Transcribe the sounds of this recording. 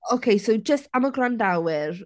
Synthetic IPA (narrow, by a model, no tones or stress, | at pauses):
okʰejsowd͡ʒəstaməɡrandawɪr